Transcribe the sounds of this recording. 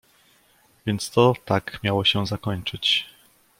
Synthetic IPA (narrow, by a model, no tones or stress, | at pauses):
vʲjɛnt̪st̪ɔt̪akmʲjawɔɕɛzakɔɲt͡ʂɘt͡ɕ